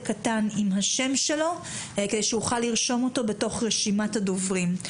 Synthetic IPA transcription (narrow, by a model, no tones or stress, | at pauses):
katanimɦaʃe̞mʃe̞lo̞ | ked̪ejʃehuχalːiʁʃo̞mo̞to̞be̞to̞χʁeʃimathado̞vʁim